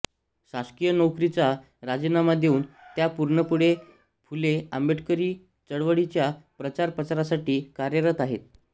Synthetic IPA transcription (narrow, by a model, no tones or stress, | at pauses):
ɕaskijənowkɾit͡sa | ɾad͡ʑinamad̪euːnt̪japuɾɳəpuɽe | pʰuleəmbeʈʰkəɾiː | t͡səɽʋəɽit͡ɕjapɾət͡ɕaɾpət͡saɾasaʈiːkaɾjəɾət̪aɦet̪̚